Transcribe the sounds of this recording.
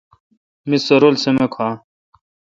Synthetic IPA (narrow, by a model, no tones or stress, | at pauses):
misɐɾolsemɐkʰaː